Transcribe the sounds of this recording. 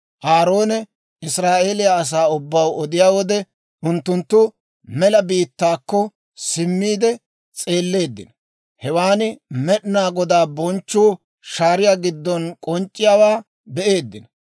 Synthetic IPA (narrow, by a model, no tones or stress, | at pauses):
ʔaːɾo̞ːnɛ | ɪsɾaːʔe̞ːlɪjaːs̬aːʊbːɐwɔd̪ɪjaːwɔd̪ɛ | ʔʊnt̪ːʊnt̪ːʊ | mɛlɐbiːt̪ːaːkːɔ | sɪmːiːd̪ɛ | t͡sʼe̞ːlːe̞ːd̪ːɪ̰nɐ | hɛwaːnɪmɛɗɪnaːɡɔd̪aːbɔnt͡ʃːuː | ʃaːɾɪjaːɡɪd̪ːɔnkʼɔnt͡ʃʼːɪjaːwaː | bɛʔe̞ːd̪ːɪnɐ